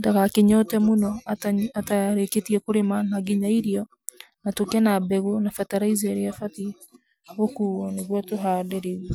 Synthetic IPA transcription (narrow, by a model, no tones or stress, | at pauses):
daɣakeɲɔtɛmonɔataɾeketiɛkoɾemanaɡiɲaiɾiɔ | natokɛnabɛɣonafɛtaɾaizɛɾeafati | hokuɔneɣwatoɦaːdɛɾewɛ